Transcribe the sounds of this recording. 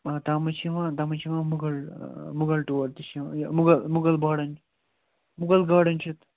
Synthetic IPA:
t̪aːmɐt͡ʃʰiʋãːt̪amɐt͡ʃʰiʋãːmuɡɐlmuɡɐlʈuːɐɾt̪it͡ʃʰĩjmuɡɐlmuɡɐlbaːɽɐnt͡ʃ | muɡɐlɡaːɽɐnt͡ʃʰit̪

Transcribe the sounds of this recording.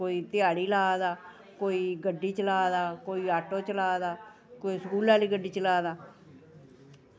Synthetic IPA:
koːiːt̪ɪjaːɽiːlaːd̪aː | koːiːɡəɖːiːt͡ʃəlaːd̪aːkoːiːaːʈoːt͡ʃəlaːd̪aː | koːisəkuːlaːliːɡəɖiːt͡ʃəlaːd̪aː

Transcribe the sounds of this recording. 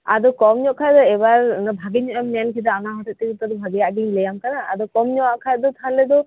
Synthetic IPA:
a̰d̪ɔkɔmɲɔʔkʰad̪ɔɛbaɾnbʱaɡiɲɔʔjamnɛnkʰid̪ɔanaɦɔt̪ʰɔʔ̚t̪ɛit̪ɔd̪ɔbʱaɡijaʔɡiɲlɛjamkanaa̰d̪ɔkɔmɲɔwaʔkʰat̪̚d̪ɔt̪ʰaɦãnlɛd̪ɔ

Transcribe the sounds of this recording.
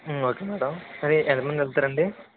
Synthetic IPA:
oːkeːmɛːɽɐmsɐɾiʔent̪ɐmɐnd̪ɐlt̪ɐːɾɐɳɖi

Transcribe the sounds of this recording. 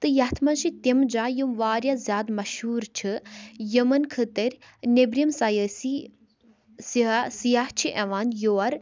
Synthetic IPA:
t̪ɨjɐt̪ʰmɐnʃit̪emd͡ʒaːjumʋaːɾjazʲjaːd̪mɐʃhuːɾt͡ʃʰɨjɐmɐnkʰət̪ɐɾʲ | nebɾimsɐjəsi | ssijaːɦt͡ʃʰiʔɐʋaːnjoːɐɾ

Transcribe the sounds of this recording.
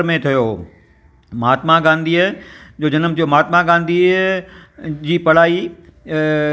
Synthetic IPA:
ɾmẽt̪ʰijoː | maːt̪mãɡãːnd̪ʱid͡ʑoːd͡ʑɐnəmt̪ʰijoːmaːt̪maɡãːnd̪i | d͡ʑiːpɐɽ̤aːi

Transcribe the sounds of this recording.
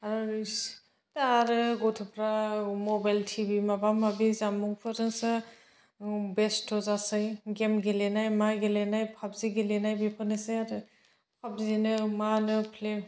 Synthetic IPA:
aɾ | taɾɯɡɔtʰɯpʰɾamɔbajltʰibimabamabizamuŋpʰɯɾɯnsɯ | bestʰɔzasɯjɡemɡelenajmaɡelenajpʰap̚ziɡelenajbipʰɯnɯsɯjaɾɯ | pʰap̚zinɯmanɯpʰlem

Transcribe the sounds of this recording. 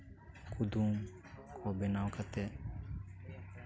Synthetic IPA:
kud̪uːm | kʰoːbɪnaːwkət̪e

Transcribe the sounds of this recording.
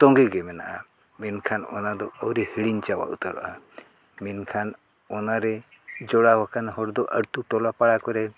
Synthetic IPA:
t̪ɔŋɡɛɡɛmɛna̰ʔa | minkʰanɔ̰nad̪ɔəwɾihiɽiɲt͡ʃawa̰ʔṵt̪əɾɔ̰ʔa | minkʰan | ɔnaɾɛd͡ʒɔɽawakanɦɔɾd̪ɔʔəɽt̪uʈɔlapaɽakɔɾɛ

